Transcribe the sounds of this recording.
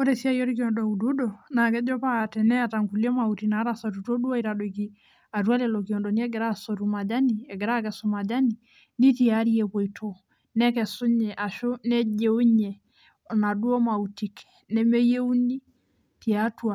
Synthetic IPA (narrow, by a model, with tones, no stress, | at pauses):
o˦ɾe˨si˦a˦jo˦ɾi˦ki˨ɔ˨ndɔ˨u˨du˦dɔ˨na˨kɛ˦d͡ʒɔ˦pa˦˨tɛ˨nɛ˦a˨ta˨ŋku˨li˦ɔ˦ma˨u˨ti˨na˨˦ɾa˨sɔ˨ɾu˨to˦du˦a˦i˨ɾa˨do˨iki˦ | a˨twa˦lɛ˨lo˨ki˨ɔ˨ndɔ˨ni˦ɛ˦ɡɛ˨ɾa˦so˨ɾu˨ma˨d͡ʒa˦ni˨ɛ˨ɡe˨ɾa˦kɛ˨so˨ma˨d͡ʒa˦ni˨ | ni˦ti˦a˦ɾi˦e˨ko˨i˨tʰo˨ | nɛ˦kɛ˨sʊ˦ɲɛ˨ʔa˨ʃo˦nɛ˦d͡ʒe˨˦u˦ɲɛ˨ | na˨du˦o˦ma˨uti˨k | nɛ˦me˦je˦u˦ni˦ | ti˨a˦twa˨